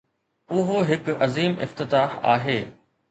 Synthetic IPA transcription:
ʊɦoɦɪkɐziːmɪ̰ft̪ɪt̪aːha̰ːɦeː

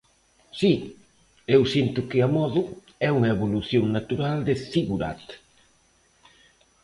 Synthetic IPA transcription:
si | ewsint̪ʊkɪamɔðʊ | ɛuŋɐeβoluθjoŋnat̪uɾald̪ɪθiɣuɾa̰t̪

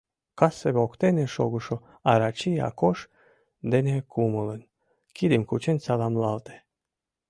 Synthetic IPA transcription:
kasːeβokt̪enʲeʃoɡuʃo | aɾat͡ɕia̰koʃ | d̪enʲekʰumulen | kid̪imkut͡ɕenʲsɑlˠamlˠɑlt̪e̥

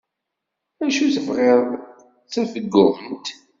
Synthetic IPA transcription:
ænʃuθəvʁeðˤ | t͡sːənfəɡːʊənt̪

